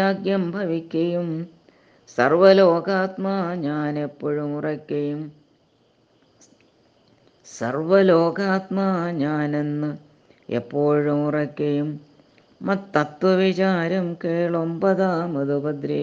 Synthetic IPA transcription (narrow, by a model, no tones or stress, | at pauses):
aːɡjɐmbʱɐʋikʲːɐjum | sɐrʋɐlo̞ːɡaːt̪maɲaːne̞pːoːɻumurɐkʲːɐjum | sɐ̰rʋɐloːɡaːt̪maːɲaːne̞nːɨ | ḛpːo̞ːɻumurɐkʲːɐjumː | ɐt̪ːɐt̪wɐʋit͡ɕaːɾɐmkeːɭo̞mbɐðaːmɐðubɐd̪ɾi